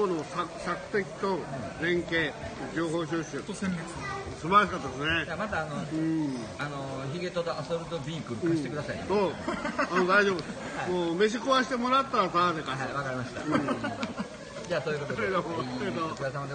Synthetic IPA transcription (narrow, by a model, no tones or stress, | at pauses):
onosasakɯ̟̥t̪e̞kʲi̥t̪ozẽ̞ŋke̞ːd͡ʑʲo̞ːɦo̞ːɕ̬ɨːɕɨsẽet͡s | sɨbaɾaɕ̬ikat̪ːad̪esɨned͡ʑamat̪aːnoɯ̃ | anoçiɡe̞t̪ot̪oasoɾɯ̟t̪obʲiːkɯkɯ̃ːit̪ekɯ̟d̪asaiesoːanod̪aiʑo̞ːbɯd̪e | moːme̞ɕ̬ikoβaɕi̥t̪emo̞ɾat̪ːasad̪ekaβakaɾʲimaɕi̥t̪a̰ɯ̃ | d͡ʑaːsoːjkot̪oed̪oet̪okɯas̬amad̪e